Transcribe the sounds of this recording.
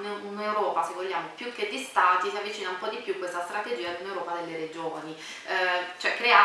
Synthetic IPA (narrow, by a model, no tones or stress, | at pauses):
nunewɾɔːpasevːolːjaːmopjukːed̪ːist̪aːt̪isiavːit͡ʃiːnaumpɔd̪ipjukwest̪ast̪ɾat̪ed͡ʒiːad̪unewɾɔːpad̪elːeɾed͡ʒoːni | t͡ʃoɛkːɾea